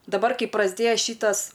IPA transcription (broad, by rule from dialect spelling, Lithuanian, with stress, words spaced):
dɐˈbɐr ˈkɐɪ prɐzʲˈdʲeːjɛ ˈʃʲiːtɐs